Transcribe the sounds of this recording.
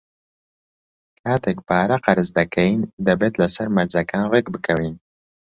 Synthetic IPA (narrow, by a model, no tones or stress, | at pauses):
kʰaːt̪ʰek̚paːɾɐqɐɾɨzd̪ɐkʰɛjind̪ɛbeːt̪lɛsɐɾmɐɾzɐkʰaːnvekbɨkʰɛwiːn